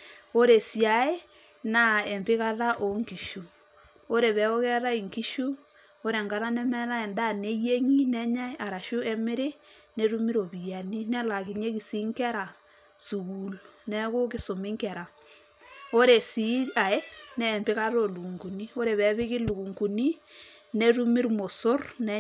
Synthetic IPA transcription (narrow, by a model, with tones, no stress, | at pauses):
o˦ɾe˨si˨a˨e˦ | na˦˨ɛ˨mbe˦ɣa˦ða˦ʔo˨ŋki˨ʃu˨ | o˦ɾe˨βɛ˨˦o˦ɣɛ˦ɾa˦i˨ŋki˦ʃu˦ | o˦ɾe˨ŋɡa˨˦ɾa˦nɛ˦mɛ˦ða˦ɛ˨nda˦˨ne˦je˦ŋi˦nɛ˦ɲa˦e˦ʔa˨ɾa˨ʃu˦ɛ˦me˦ɾe˦ | ne˨ɾu˦mi˦ɾo˨bi˨a˨ni˦nɛ˦la˨ki˨ɲe˦ki˨si˦ŋkɛ˦ɾa˨ | su˨ɡu˨lnɛ˦ko˦kɪ˨so˨mi˦ŋkɛ˨ɾa˨ | o˦ɾe˨si˦a˨e˦nɛ˦˨mbɪ˦ka˦ɾo˦˨lu˨ŋɡu˨ni˦o˦ɾe˨βɛ˨βɪ˦ki˦lu˨ku˨ŋku˨ni˦ | ne˦ɾu˦mi˦ɾmo˨so˦ɾnɛ˦